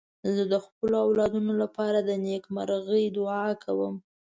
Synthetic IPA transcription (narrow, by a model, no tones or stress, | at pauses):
zəd̪əxpəloawlɑd̪unolapɑɾad̪ənekmaɾɣəjd̪ʊɑkʰawəm